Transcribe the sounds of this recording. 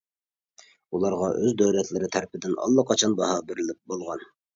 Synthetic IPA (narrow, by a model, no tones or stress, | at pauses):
ulˠɑɾʁɑʔøzd̪øwlɛt̪ʰlɪɾɪt̪ʰæɾpɪd̪ɪnʔɑ̰lˠːɑqʰɑt͡ʃʰɑnbɑɦɑːbɪɾɪlɪp̚bolˠʁɑn